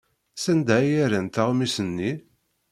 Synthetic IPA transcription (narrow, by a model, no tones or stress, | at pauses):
sænd̪æjæɾænt̪aʁmisənːi